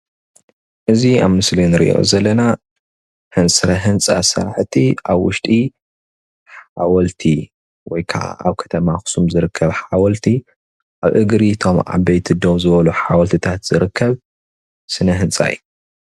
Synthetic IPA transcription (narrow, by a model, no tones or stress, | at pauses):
ʔɨziaβmɨslinɨɾḭʔo̰zɐlːɐna | hɨnsʼɨɾɐɦɨnt͡sʼa̰sɐ̰ɾħt̪ʰiaβwʊʃt̪ʼi | ħawɔlt̪ʰi | wɔjkʰaʔa̰aβkʰɐ̥t̪ʰɐmaxsumzɨɾɨkʰːɐβħawɔlt̪ʰi | ʔaβʔɨɡɾit̪ʰo̞mʕa̰βɐjt̪ʰid̪owzɨβɐluħawɐlt̪ʰɨt̪ʰat̪z̥ɨɾɨkʰːɐβ | sɨnɐɦɨnt͡sʼa̰jːu